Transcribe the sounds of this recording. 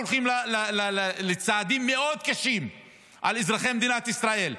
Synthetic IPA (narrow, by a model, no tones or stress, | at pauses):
lχimllallelet͡saːd̪imːeo̞d̪kaʃim | ʔalezʁaχemed̪inat̪isʁae̞l